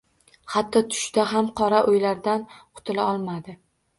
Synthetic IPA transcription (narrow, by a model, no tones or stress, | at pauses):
hat̪ʰːɒt̪ʰʊ̥ʃd̪aɦamqʰɒɾaʔojlaɾd̪anqʰʊ̥t̪ʰɪlaɒlˠmad̪ɪ